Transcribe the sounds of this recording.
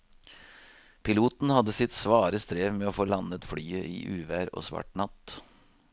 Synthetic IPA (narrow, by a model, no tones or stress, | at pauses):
pʰɪluːt̪n̩hɑd̪əsɪt̪sʋɑːɾəst̪ɾeːʋmɛoːfoːlɑnət̪fɽyːəʔḭːʔʉːʋæːɾo̰ːsʋɑ̰ʈɳɑt̪